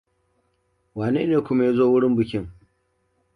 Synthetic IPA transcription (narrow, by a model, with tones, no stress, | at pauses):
waː˨nḛː˦neː˨kʷʊ˦ma˦ja˦zoː˦wʊ˦ɽɪ˦mbʊ˨kʲɪ˦ŋ